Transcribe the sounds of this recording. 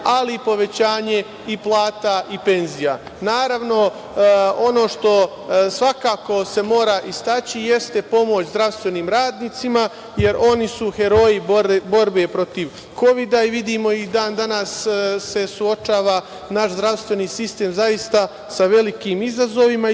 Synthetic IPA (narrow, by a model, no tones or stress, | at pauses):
alipo̞ʋe̞t͡ɕaːɲe̞ | iplˠaːt̪aipe̞nzija | naːɾaʋno̞ | o̞no̞ʃt̪o̞ | sʋakaːko̞se̞mo̞ːɾaʔist̪at͡ɕije̞st̪e̞po̞mo̞t͡ɕzd̪ɾaʋst̪ʋe̞niːmɾaːd̪niːt̪sima | je̞ɾʔo̞nisuhe̞ɾo̞jibo̞ɾbepɾo̞t̪iʋ | ko̞ʋid̪aiʋid̪imo̞id̪aːnd̪anasːe̞suo̞t͡ʃaːʋa | naʃzd̪ɾaʋst̪ʋe̞niːsist̪e̞ːmzajist̪a | saʋe̞likiːmizazo̞ʋima